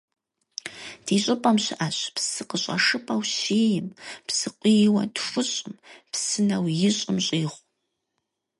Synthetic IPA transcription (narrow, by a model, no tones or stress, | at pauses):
d̥iːɕʼɪpʼɐmɕɪʔaɕpsɨqəɕʼɐ̰ʂɨpʼɐwɕiːjɪmpsɨqʷijɪwɐtfʷʊɕʼɪmpsɨnɐwjɪɕʼɪmɕʼiːʁʷ